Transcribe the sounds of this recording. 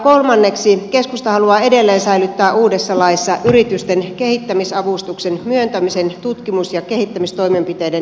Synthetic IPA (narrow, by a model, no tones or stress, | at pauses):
kolmɑnːeksikeskust̪ɑhɑluɑːedelːeːnsæilyt̪ːæːʔuːdesːɑlɑisːɑʔyrit̪yst̪enkehit̪ːæmisɑʋust̪uksenmyønt̪æmisent̪ut̪kimusjɑkehit̪ːæmist̪o̞imempit̪eiden